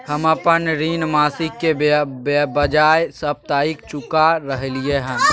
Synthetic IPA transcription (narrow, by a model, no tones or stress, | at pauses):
həməpənɾiːnmaːsɪkːe | bəd͡ʒaːjsəp̚t̪aːik̚t͡ʃʊkaɾəɦelijeɦɛ̃ː